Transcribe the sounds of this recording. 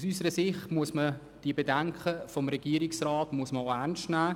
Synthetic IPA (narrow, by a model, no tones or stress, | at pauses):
sysəɾəsɪχtmuəsmə | d̥iəbedɛŋkχəfɔmɾɛɡ̥iːəɾiksrɑːtmuəsməɛnʃtnæː